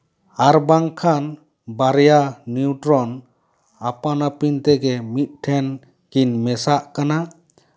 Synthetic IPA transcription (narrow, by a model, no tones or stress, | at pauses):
aɾbaŋkʰan | baɾjaniuʈɾɔn | apanapint̪ɛɡɛmit̪̚ʈʰɛn | kinmɛsaʔkana